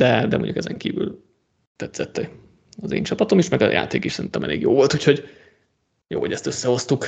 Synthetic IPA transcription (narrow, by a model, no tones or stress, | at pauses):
d̪̥ɛd̪ɛmo̰ɲɟukɛzɛŋkiːvy̰l | t̪ɛt̪sɛt̪ːɛ | ɒzḛːɲt͡ʃɒpɒt̪o̞miʃmɛɡɒ̰ja̰ːt̪eːkiʃsɛɾint̪ɔmɛ̰leːɡjoːvo̞lt̪uːcho̞ɟ | joːho̞̰ɟɛst̪øsːɛho̞st̪uk